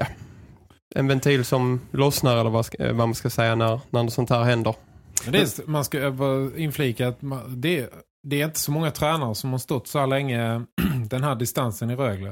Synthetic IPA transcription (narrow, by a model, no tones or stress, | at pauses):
ja | ʔɛ̰nvɛnt̪ʰiːlsɔmlɔsnaɾɛlːəɾvavamanskasɛjːanæɾnæɖɛsɔnt̪hæːɾhɛnd̪əɾd̪ɛmanskavɑɪnfliːkaːt̪mad̪ɛ | d̪ɛːɾɪnt̪ə̥sɔmɔŋːat̪ʰɾɛːnaɾəsɔmhaɾʂt̪ɔt̪ːsɔhæːɭlɛŋːəd̪ɛnɦæːɖɪst̪ansənɪɾøːɡlə